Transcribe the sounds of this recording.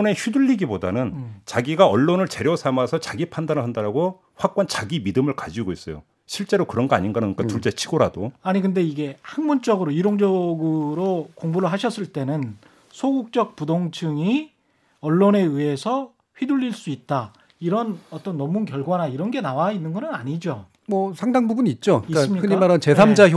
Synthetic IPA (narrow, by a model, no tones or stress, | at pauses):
ne̞çɥiduʎːiɡiboda̰nɯnt͡ɕaɡiɡaʌɭːonɯɭt͡ɕe̞ɾjʌsʰamasʰʌt͡ɕaɡipʰandanɯɭɦandaɾaɡo | ɸwak͈ant͡ɕaɡimidɯmɯɭkad͡ʑiɡois͈ʌjo̰ | ɕʰiɭt͡ɕ͈e̞ɾokɯɾʌnɡʌa̰ɲinɡanaik͈atuɭt͡ɕ͈et͡ɕʰiɡoɾadoaɲikɯnde̞iɡe̞haŋmont͡ɕ͈ʌɡɯɾoiɾoŋd͡ʑʌɡɯɾokoŋbuɾɯɭɦaɕʰʌs͈ɯɭt͈e̞nɯn | sʰoɡuk̚t͡ɕ͈ʌk̚pudoŋt͡ɕʰɯŋi | ʌɭːone̞iɦe̞sʰʌ | ɸɥiduʎːiɭs͈uit̚t͈a | iɾʌnʌt͈ʌnːʌmunkjʌɭɡwanaiɾʌnɡe̞nawainːɯnɡʌnɯnaɲid͡ʑo | mʌsʰaŋdaŋbubuniːt̚t͡ɕ͈oisɯmɲikɯkɲimaɾant͡ɕesʰamd͡ʑa